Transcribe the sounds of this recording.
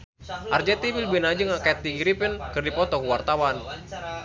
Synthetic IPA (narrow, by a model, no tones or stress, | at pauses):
ʔard͡ʒɛt̪ibilbinad͡ʒɨŋakaɛt̪̚diɡiɾipənkɨrdipɔt̪ɔkuwart̪awan